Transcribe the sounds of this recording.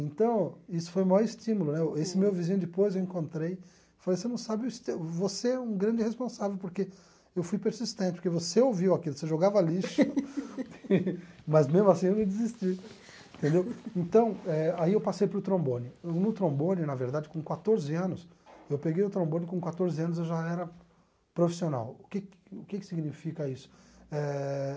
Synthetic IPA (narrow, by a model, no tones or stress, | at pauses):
ẽnt̪ɐ̃w̃isʊ̥fojmajɔɾɪst͡ʃĩmulʊnɛesɪmewvizĩɲʊd͡ʒɪpojzewẽkõnt̪ɾej | falejsenɐ̃w̃sabɪʊst̪ewvoseɛũɡɾɐ̃nd͡ʒɪhespõsavewpoɾke | ewfujpeɾsist̪ẽnt̪t͡ʃɪpoɾkevoseowviwakilʊseʒoɡavaliʃ | mɐzmezmʊasĩewmɪd͡ʒizist͡ʃĩ | t̪ẽnd̪ewẽt̪ɐ̃w̃ɛaiewpasejpɾʊt̪ɾõbõnɪewnʊt̪ɾõbõnɪnɐveɾd̪ad͡ʒɪkõkwat̪oɾzɪɐ̃nʊs | ewpeɡejʊt̪ɾõbõnɪkõkwat̪oɾzɪɐ̃nʊzewʒaɛɾɐ | pɾofi̥siona̰wʊkɪkʊkɪkɪ̥siɡnifikɐisʊ̥ɛ